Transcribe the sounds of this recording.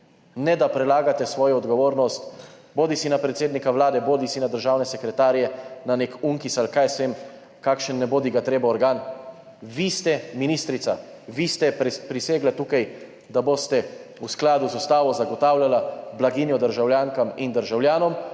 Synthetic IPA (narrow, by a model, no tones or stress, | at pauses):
nɛd̪apɾɛlaːɡat̪ɛsʋɔːjɔɔd̪ɡɔʋoːɾnɔst̪boːd̪isinapɾɛt̪seːd̪nikaʋlaːd̪ɛboːd̪isinad̪əɾʒaːwnɛsɛkɾɛt̪aːɾjɛnanekuŋkisalkajsʋem | kaːkʃənːɛboːd̪iɡat̪ɾeːbaɔɾɡaːn | ʋist̪ɛminiːst̪ɾit̪sa | ʋist̪ɛpɾiseːɡlat̪uːkaj | d̪aboːst̪ɛusklaːd̪uzust̪aːʋɔzaɡɔt̪aːwlʲjalablaɡiːnjɔd̪əɾʒawljaːŋkamind̪əɾʒawlʲjaːnɔm